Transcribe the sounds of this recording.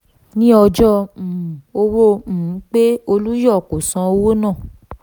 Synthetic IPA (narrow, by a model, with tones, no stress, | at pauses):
nĩ˦ɔ˧d͡ʒɔ̃˦˨ | o˧wõ˦˨˦k͡pe˦o˧lu˦jɔ˦˨ko˨sã˧o˧wo˦nãː˦˨